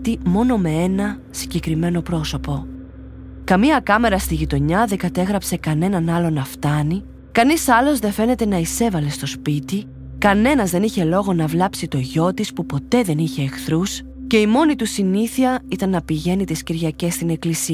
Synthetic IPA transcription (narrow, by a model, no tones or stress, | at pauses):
t̪imo̞no̞me̞e̞nɐ | siɟe̞kɾime̞no̞pɾo̞so̞po̞ | kɐmiɐkɐme̞ɾɐst̪iʝit̪o̞ɲɐðeɡɐt̪e̞ɣɾɐpse̞kɐne̞nɐnɐlo̞nɐft̪ɐni | kɐnisɐlo̞zðe̞fe̞ne̞t̪e̞nɐise̞vɐle̞st̪o̞spit̪i | kɐne̞nɐzðe̞niçe̞lo̞ɣo̞nɐvlɐpsit̪o̞ʝo̞t̪ispupo̞t̪e̞ðe̞niçe̞ːxθɾus | ce̞imo̞nit̪usiniθiɐit̪ɐnːɐpiʝe̞nit̪isciɾʝɐce̞st̪ine̞klisiɐ